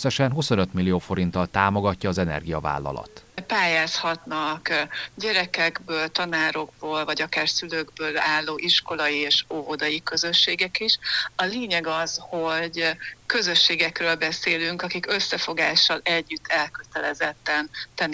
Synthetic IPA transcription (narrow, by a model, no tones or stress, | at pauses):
sːɛʃɛnɦusonøt̪milːioːfo̞ɾint̪ɒlt̪aːmoɡɒcːɒːzɛnɛ̰rɡijɒva̰ːlːɒ̰lɒ̰t̪paːjaːshɒt̪nɒkɟɛɾɛkɛɡbøːlt̪ɒnaːɾo̞ɡ̚boːlvɒɟɒkaːrsyløɡbøːlaːlːoːʔiʃko̞lɒjieːʃoɦod̪ɒjikø̞zøʃːeːɡɛkiʃɒleːɲɛɡɒz̥ho̞ɟkø̞zø̞ʃːeːɡɛkrøːlbɛseːlyŋkɒkikø̞sːɛfo̞ɡa̰ːʃːɒlɛɟːyt̪ʰːɛlkø̞t̪ɛlɛzɛt̪ːɛnt̪ɛnː